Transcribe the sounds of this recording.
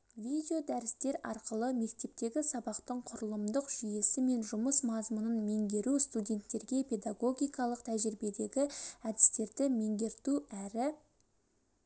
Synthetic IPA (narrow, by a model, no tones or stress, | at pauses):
vʲijd̪ʲeo̞d̪æɾɪst̪e̞ɾɑ̰ɾqəlˠəme̞kt̪e̞p̚t̪e̞ɡʲɪsɑbɑqt̪əɴqʰʊɾəlˠəmd̪əqʒ̥ije̞sɪme̞nʒʊməsmɑzmʊnənme̞ŋd̪e̞ɾust̪udʲe̞nt̪ːe̞ɾɡʲe̞pʰe̞d̪aɡo̞ɡʲijkɑlˠəq̚t̪ʰæʒɪɾɪbe̞d̪e̞ɡʲɪæd̪ɪst̪e̞ɾd̪ɪme̞ŋd̪e̞ɾt̪uæɾɪ